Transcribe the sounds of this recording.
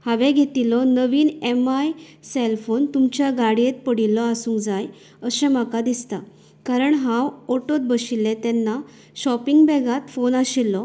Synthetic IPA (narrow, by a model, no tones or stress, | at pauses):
hãʋẽɡʱet̪ilɔnəʋiːnemajselfont̪umt͡ɕjaɡaɽijet̪̚pəɽilːɔasũːŋkd͡zaj | əsɛ̃m̤akad̪ist̪a̰ | kaɾəɳɦãwɔʈot̪̚bəɕilːet̪ɛnːa | ɕɔpiŋɡbɛɡat̪fonaɕilːɔ